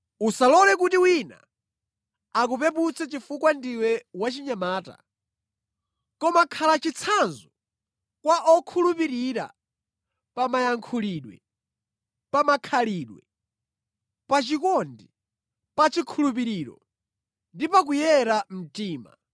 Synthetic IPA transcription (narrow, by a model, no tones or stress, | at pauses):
usalɔlɛkutiwina̰ | akupɛput͡sʰɛt͡ʃifukwandiwɛwat͡ʃiɲamaːta̰ | kɔmakʰalat͡ʃit͡sʰanzu | kwaʔɔkʰulupiɾiɾa̰ | pamajaŋkʰuliɗwɛ̰ | pamakʰaliɗwɛ | pat͡ʃikɔndi | pat͡ʃikʰulupiɾiɾɔ̰ | ndipak̬ujɛɾam̩tiːma̰